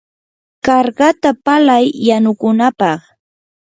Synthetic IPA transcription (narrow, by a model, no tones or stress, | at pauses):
kɑɾɢɑt̪apalajːanʊkʊnapɑχ